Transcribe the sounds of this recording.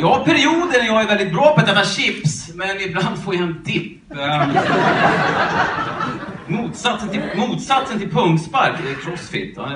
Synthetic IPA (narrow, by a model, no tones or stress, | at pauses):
jɑhaɾpʰæɾɪuːd̪ənɛjɑːɡæɾvɛld̪ɪt̪̚bɾɑːpɔd̪ɛt̪ːaɕɪpsmɛnɪbland̪foːjaɛnd̪ɪpː | muːt̪sat̪sənt̪ʰɪmuːt̪sat̪sənt̪ʰɪlpʰɵŋspaɾkɛk̪ʰɾɔsfɪ̰t̪ːa̰